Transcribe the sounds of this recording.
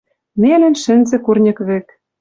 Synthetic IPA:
nelɘ̆nʃɘ̆nzɘ̆kurnʲɤ̆kβɘ̆k

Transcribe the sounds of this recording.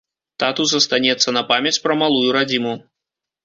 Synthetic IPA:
t̪at̪uzɐst̪anʲɛt̪sːɐnɐpamʲjɐt͡sʲpɾɐmalˠujuɾad͡zʲimu

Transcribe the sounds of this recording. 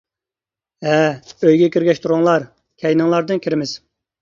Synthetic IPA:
ɦɛøjɡʲɛkʲʰiɾɡʲɛʃt̪ʰuɾuŋlˠɑɾ | kʲʰɛjnɨŋlˠɑɾd̪ɨnkʲʰiɾɪmɪz̥

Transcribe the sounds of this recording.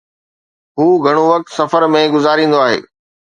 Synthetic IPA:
ɦuːɡʱɐɽ̃oʋɐk̚t̪sɐfəɾmẽɡʊzaːɾĩːnd̪oaːɦḛː

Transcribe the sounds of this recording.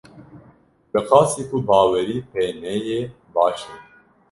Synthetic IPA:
bɨqɑːsiːkʰubɑːwɛɾiːpʰenɛje | bɑːʃɛ

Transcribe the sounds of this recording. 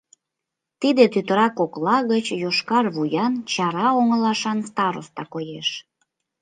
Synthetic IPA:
t̪id̪et̪yt̪əɾɑkoklɑɣət͡ɕjoʃkɑrβujɑnt͡ɕɑɾɑoŋəlɑʃɑnst̪ɑɾo̰st̪ɑkojeʃ

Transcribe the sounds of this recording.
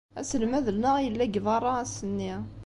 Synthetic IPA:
æ̰səlmæðəlnəʁjəlːæɡvɑrˤːɑæsənːi

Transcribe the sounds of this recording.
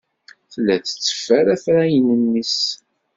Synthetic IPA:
θlːæt͡sːə̥t͡sːə̥fæɾæθɾæjənənːis

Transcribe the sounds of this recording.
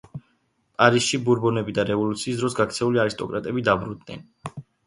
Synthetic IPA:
pʼaɾisʃibuɾbɔnɛbid̪aɾɛvɔlut̪sʰiːsd̪ɾɔsɡakʰt̪sʰɛuliaɾist̪ʼɔkʼɾat̪ʼɛbid̪abɾund̪nɛ̰n

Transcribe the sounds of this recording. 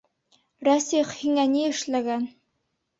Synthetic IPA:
ɾæsiχhiŋæniɘ̆ʃlæɡæn

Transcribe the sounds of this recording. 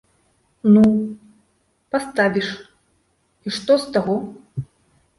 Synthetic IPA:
nu | past̪avʲiʂ | iʂt̪ɔst̪aɣɔ

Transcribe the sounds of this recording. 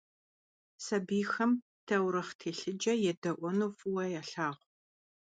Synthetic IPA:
sɐbiːxɐm | tʰɐwɾɐχtʰeːɬɨd͡ʒɐjɛdɐʔʷɔnuːfʊwɐjaːɬaːʁʷ

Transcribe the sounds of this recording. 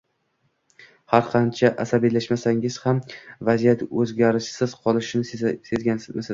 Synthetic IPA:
haɾqʰɑnt͡ʃʰaʔasabilaʃmasaŋɪz̥hamvazijat̪ɵzɡʲaɾɪʃsɪz̥qʰɒlˠɪʃɪnɪse̞zɡʲanmɪs

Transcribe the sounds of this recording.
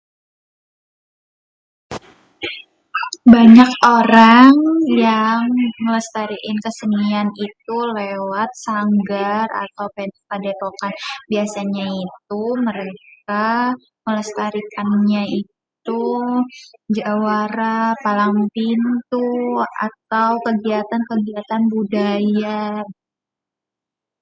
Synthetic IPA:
baɲakoɾaŋjaŋmələst̪aɾiʔɪnkəsənianit̪̚ulewat̪̚saŋɡara̰t̪awpepadek̪okanbiasaɲait̪̚uməɾeka | mələst̪aɾikʰanɲait̪u | d͡ʒawaɾapalaŋpint̪ua̰t̪̚awkəɡiat̪ankəɡiat̪anbudaja

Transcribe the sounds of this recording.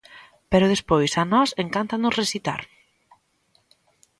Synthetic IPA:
pɛɾʊð̞espojsanɔseŋkant̪anʊsresit̪a̰ɾ

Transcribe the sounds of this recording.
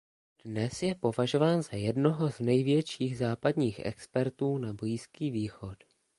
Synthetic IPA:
d̥nɛsjɛpo̞vaʒo̞vaːnzajɛdno̞ɦo̞znɛjvjɛt͡ʃiːɣzaːpadɲiːxʔɛ̰kspɛɾt̪uːnabojiskiːviːxo̞t

